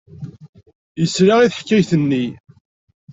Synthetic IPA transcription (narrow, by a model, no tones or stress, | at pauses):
jəsɾaiθəħkːæjθənːi